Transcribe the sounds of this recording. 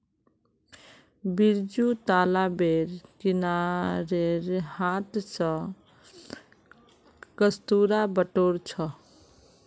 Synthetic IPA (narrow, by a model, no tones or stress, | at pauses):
biɾd͡ʒut̪alabeɾkinaɾeɾhãt̪sə̃ | kəst̪uɾabəʈoɾt͡ʃʰə